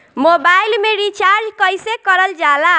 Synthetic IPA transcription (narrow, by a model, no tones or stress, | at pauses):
mobajlmeɾit͡ʃaɾd͡ʒkʌjsekɔɾɔld͡ʒala